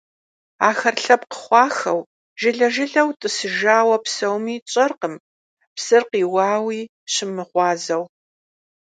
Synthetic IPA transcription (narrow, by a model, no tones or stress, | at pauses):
aːxɐrɬɐpqə̥χʷɑːxɐw | ʒɪɮɐʒɪɮɐwtʼɨsɨʒaːwɐpsɐwmiːt͡ʃʼɐrqəm | psɨrqiːwɑːwiː | ɕɪmɨʁʷɑːzɐw